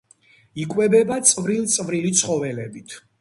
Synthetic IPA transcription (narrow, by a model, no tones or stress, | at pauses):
ikʼwɛbɛbat̪sʼvɾilˠt̪sʼvɾilit̪sʰχɔvɛlɛbit̪ʰ